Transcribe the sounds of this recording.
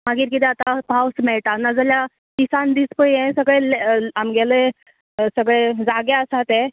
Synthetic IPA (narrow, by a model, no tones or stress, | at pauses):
maɡiːɾkit̪ɛat̪apawsmɛɭʈanːad͡zəlja | kisand̪ispəjɛ̃səɡɭelamɡɛle | səɡɭed͡zaɡaəsat̪ɛ